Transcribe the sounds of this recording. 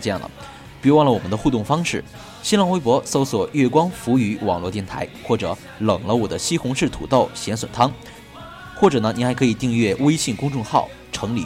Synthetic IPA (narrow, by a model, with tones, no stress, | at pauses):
ʈ͡ʂjɑ˥˩ŋlə̰˩ | pwɑ˥˩ŋlə˩wɔ˨˩mə˦nd̪ə˧xu˥˧t̪ʊ˥˩ŋfɑ˥ŋʂɻ̩˥˩ | ɕi˥lɑ˥˩ŋwe˥ɪpwɔ˧˥so˥ʊswɔ˨˩ɥɛ˥˩kwɑ˥ŋfu˧˥y˧˥wɑ̰˨˩ŋlwɔ˥˧t̪jɛ˥˩nt̪ʰa̰˧˥ɪxwɔ˥˩ʈ͡ʂɤ˨˩˦ | lɤ˨˩ŋlə˦wɔ˨˩d̪ə˦ɕi˥xʊ˧˥ŋʂɻ̩˥˩t̪ʰṵ˨˩t̪ɑ˥˩ʊɕjɛ˧˥nswə̰˨˩nt̪ʰɑ˥ŋ | xwɔ˥˩ʈ͡ʂɤ˨˩nə˦ni˨˩xa˧˥ɪkʰɤ˧˥i˨˩t̪i˥˧ŋɥɛ˥˩we˥ɪɕi˥˩nkʊ˥ŋʈ͡ʂʊ˥˧ŋxɑ˥˩ʊ | ʈ͡ʂʰɤ˧˥ŋlḭ˨˩